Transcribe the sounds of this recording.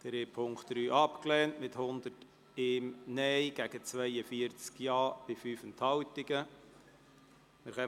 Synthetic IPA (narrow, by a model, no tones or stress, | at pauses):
d̪̥əɾeːpʰʊŋkχt̚d̥̪ɾyːʔɑpklɛːntmɪthʊnd̪ət | ɪmnɛjɡ̥æɡ̥ət͡sʋɛjəfiəɾt͡skjɑːb̥ɪfyːfənthɑwtɪɡə | mɪɾχɛ